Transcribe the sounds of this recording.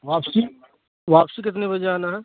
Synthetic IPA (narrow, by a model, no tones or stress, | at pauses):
ʋaːpsi | ʋaːpsik̬ɪt̪̬nebɐd͡ʒeanaɦɛ